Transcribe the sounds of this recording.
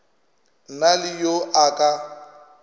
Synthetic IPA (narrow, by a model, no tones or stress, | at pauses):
nalɪjoʔakʼa